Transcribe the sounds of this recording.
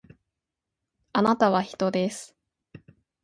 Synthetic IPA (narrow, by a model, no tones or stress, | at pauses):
anat̪aβ̞açi̥t̪o̞d̪e̞sɨ̥